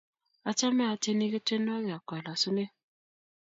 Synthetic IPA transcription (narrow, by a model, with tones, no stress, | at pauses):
a˨t͡ʃa˦mɛ˦a˨te˦ni˦ɣe˦te˦n˦ɔ˦ɣa˨kwɛ˨la˨su˦ne˦